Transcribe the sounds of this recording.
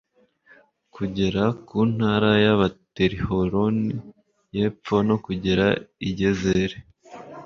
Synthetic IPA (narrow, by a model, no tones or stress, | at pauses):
kuɟeɾakuːn̥haːɾajaβateɾihoɾoni | jep͡fo̞no̞kuɟeɾaiɟezeɾe